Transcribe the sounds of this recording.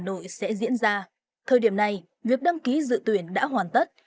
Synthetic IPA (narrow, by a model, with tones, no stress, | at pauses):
nːo̰˧˨jsɛ̰˧˥zḭ˧˥ənzaː˧ | t̪ʰəː˨˩jɗi˧˩əmna˨˩j | vi˨˩ək̚ɗa˧ŋki˨˦zɨ̰˧˨t̪wi˧˩ənɗa̰ː˧˥ɦwaː˨˩nt̪ə˦˥t̚